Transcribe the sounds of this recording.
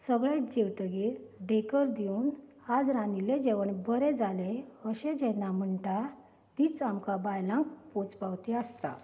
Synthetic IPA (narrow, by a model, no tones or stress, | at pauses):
səɡɭãd͡ʑewt̪əɡiɾɖekəɾd̪iunhad͡zɾãniled͡ʑeʋəɳbəɾed͡zaleəɕẽd͡ʑɛ̃nam̤əɳʈa | t̪iːt͡samkabajlãŋk̚pot͡spawt̪iast̪a̰